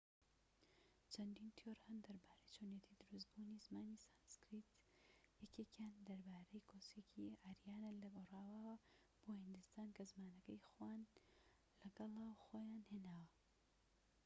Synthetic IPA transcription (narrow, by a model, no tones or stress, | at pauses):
t͡ʃʰɐnd̪int̪ʰjoɾhɐnd̪ɐɾbaːɾejt͡ʃʰonjet̪ʰid̪ɨɾusbunizmaːnisaːnskɾit̪ | jɛkʰekjaːnd̪ɐɾbaːɾejkʰosekʰiaːɾjaːnalɐɡoraːwawɐ | b̥ohɨnd̪ɨst̪aːnkɐzmaːnɐkɐjxwaːn | lɐɡɐlˠawxojaːnheːnaːwɐ